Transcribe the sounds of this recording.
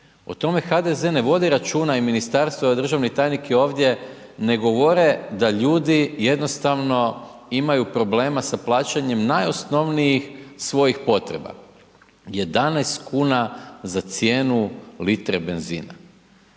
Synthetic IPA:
o̰t̪o̞me̞xad̪e̞ze̞ne̞ʋo̞d̪iɾat͡ʃuːnaiminist̪aɾst̪ʋoad̪r̩ʒaʋnit̪ajnikʰio̞ːʋd̪je̞ | ne̞ɡo̞ʋo̞ɾe̞d̪aʎuːd̪ije̞d̪no̞st̪aʋno̞ | imajupɾo̞ble̞ːmasaplˠaːt͡ɕaɲe̞mnajo̞sno̞ʋnijixsʋo̞jixpo̞t̪ɾḛba̰ | je̞d̪anɛst̪kʰuːnazat̪sjeːnulit̪ɾebe̞nzḭːna̰

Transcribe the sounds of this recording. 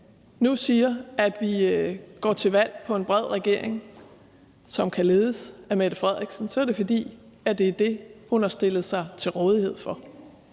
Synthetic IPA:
nusiːɐæd̥ʋiɡ̥ɒ̰ːt͡sʰe̝ʋæl̰pʰɒ̽e̝nb̥ʁɛð̞̰ˠʁɛɡ̥e̝ɐ̰e̝ŋ | sɒ̽mkʰæle̝ːðˠəsæmed̥əfʁɛð̰ˠɡ̥sn̩sɒ̽æɐɾe̝fɒ̽d̥ḭː | æd̥e̝æd̥e̝hunhɑ̈sd̥e̝lð̩ˠsɑ̈ɪt͡sʰe̝lʁɔ̽ːð̞ˠihe̝ð̞̰ˠfɒ̽

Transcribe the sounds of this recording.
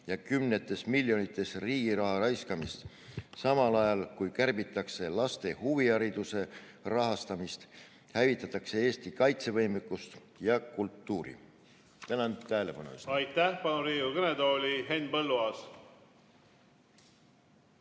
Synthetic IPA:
jɑkymne̞t̪ːˑe̞smilʲːjo̞nit̪ːˑe̞sriːɡ̥iɾɑɦɑɾɑjskɑmist̪ | sɑmɑlɑjɑlkujkærb̥it̪ːˑɑkse̞lɑst̪e̞huviɑɾid̪̥use̞ | rɑɦɑst̪ɑmist̪ | hævit̪ːˑɑt̪ːˑɑkse̞eːst̪ikɑjt̪se̞vɤjmekːˑust̪ | jɑkult̪ːuːɾḭ | t̪ænɑnt̪æːle̞pɑnḛy̰sɑjt̪ːæhpɑnuɾiːɡukɤned̪oːlʲiɦenːpɤlːuɑs

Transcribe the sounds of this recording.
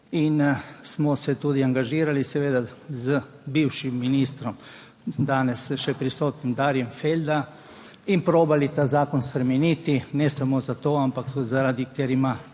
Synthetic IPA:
insmɔsɛt̪uːd̪iaŋɡaʒiːɾalisɛʋeːd̪azəbiwʃimːiniːst̪ɾɔm | d̪aːnɛsʃɛpɾisoːt̪nimd̪aːɾjɛmfeld̪a | inpɾoːbalit̪aːzaːkonspɾɛmɛnit̪inɛsamozat̪oːampakzaɾad̪ikeɾima

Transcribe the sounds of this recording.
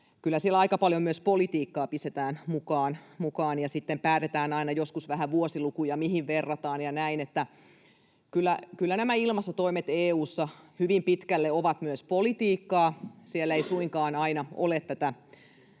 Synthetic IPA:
kylːæsielɑikɑpɑljomyøspolit̪iːkːɑːpist̪et̪æːnmukɑːnmukɑːnjɑsit̪ːempæːt̪et̪æːnɑinɑjoskusʋæɦæʋuosilukujɑmiɦiʋʋerːɑt̪ɑːnjɑnæinet̪ːæ | kylːækylːænæmæilmɑsːɑt̪oimet̪eːuːsːɑhyʋimpit̪kælːeoʋɑt̪myøspolit̪iːkːɑːsielːeisuiŋkɑːnɑinɑolet̪t̪ːæt̪æ

